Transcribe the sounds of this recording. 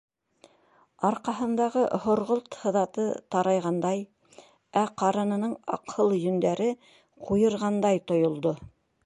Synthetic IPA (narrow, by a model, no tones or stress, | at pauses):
ɑɾqɑɦɤ̆nd̪ɑʁɤhŏɾʁolˠt̪hɤ̆ðɑt̪ɤt̪ɑɾɑjʁɑnd̪ɑj | æqɑɾɤ̆nɤ̆nɤɴɑ̰qhɤlˠjɵ̆nd̪æɾɘ | qujɤ̆ɾʁɑnd̪ɑjt̪ŏjŏlˠd̪o